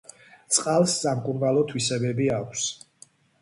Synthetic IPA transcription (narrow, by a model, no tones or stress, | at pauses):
t̪sʼqʼalˠsːamkʼuɾnalˠɔt̪ʰwisɛbɛbiakʷʰs